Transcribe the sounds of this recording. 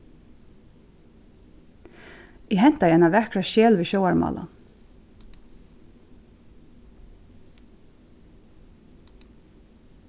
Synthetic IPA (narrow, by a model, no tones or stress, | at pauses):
jɛɦɛn̥t̪ajɪɛnaʋɛkɾaʃɛːlʋiːɕowaɹma̰ːla̰n